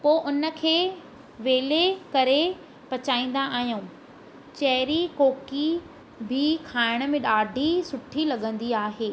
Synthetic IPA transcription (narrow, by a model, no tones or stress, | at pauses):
poːʔʊnə̆kʰeː | ʋeːlekɐɾe | pɐt͡ɕaːĩːn̆d̪aʔːɦijũː | t͡ɕɐɦɪɾikoːki | bʱɪkʰaːɪɽ̃ə̆mẽɗaːɖʱisʊʈʰilɐɠə̃nd̪iaːɦeː